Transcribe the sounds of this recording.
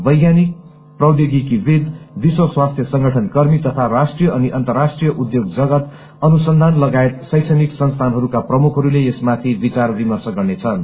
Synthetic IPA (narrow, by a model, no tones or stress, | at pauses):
bʌjɡjanik̚ | prʌwd̪iɡikibed̪biswʌswast̪ʰjʌsʌŋɡʌʈʰʌnkʌrmit̪ʌt̪ʰaɾasʈrijʌʌniʔʌnt̪ʌrːasʈrijʌʔud̪joɡd͡zʌɡʌt̪ | ʌnusʌnd̪ʱanlʌɡaet̪̚sʌjt͡sʰʌniksʌnst̪ʰanɦʌɾukaprʌmukʰɦʌɾuleesmat̪ʰibit͡sarbimʌrsʌɡʌrnet͡sʰʌn